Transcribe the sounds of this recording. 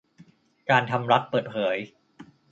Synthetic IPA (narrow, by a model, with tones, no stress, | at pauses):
kaː˧nt̪ʰa˧mɾa˦˥t̪̚pɤː˨˩t̪̚pʰɤː˩˦j